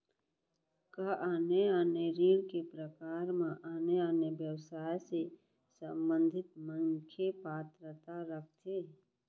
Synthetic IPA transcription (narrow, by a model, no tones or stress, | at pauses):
kaʔaːneaːneɾiːɾkepɾəkaːɾmãʔaːneaːnebjəwsaːjse | sə̃mbə̃nd̪ʱɪt̪mə̃ŋkʰepaːt̪ɾət̪aɾək̚ʰt̪ʰeː